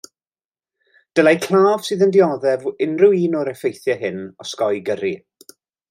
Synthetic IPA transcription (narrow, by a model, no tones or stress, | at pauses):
d̥əlajkʰl̥ˠaːv̥sɨːðəndɪɔðɛvɪnrʊiːnɔɾɛfejθjɛɦɪnɔskɔjɡəɾi